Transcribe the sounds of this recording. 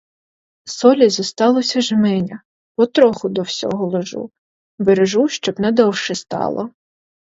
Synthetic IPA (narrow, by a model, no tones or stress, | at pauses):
sɔlʲizɔst̪ɑlˠɔsʲɐʒmɛnʲɐ | pɔt̪ɾɔxʊd̪ɔwsʲɔ̰ɦɔlˠɔʒṵ | beɾeʒuʃt͡ʃɔbnɛd̪ɔwʃɛst̪ɑ̰lˠɔ̰